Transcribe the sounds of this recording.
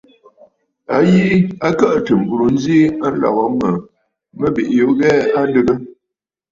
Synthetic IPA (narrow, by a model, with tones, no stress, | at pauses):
a˦ji˦a˦kə˦ʔtə˨m̩˨bu˨ɾo˨n̩˦zi˦a˦n̩˦lɔ̰˨ɣɔ˨˦mə˨ | mə˦bi˨ʔjo˨˦ɣɛː˦a˦n˦də˦ɡə˦